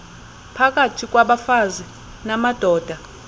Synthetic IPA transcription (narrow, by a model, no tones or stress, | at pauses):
pʰak̬ʼatʰik̬ʼwaɓafazi | namad̥ʱɔːd̥ʱa